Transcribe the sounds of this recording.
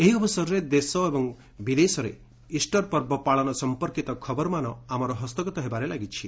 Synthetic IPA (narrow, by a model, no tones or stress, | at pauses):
eɦiɔbɔsaɾɔɾed̪esɔebɔŋ | bid̪esɔɾe | isʈɔɾpɔɾbɔpaɭɔnɔsɔmpɔɾkit̪ɔkʰɔbɔɾɔmanɔamɔɾɔɦɔst̪ɔɡɔt̪ɔɦebaɾelaɡit͡ʃʰi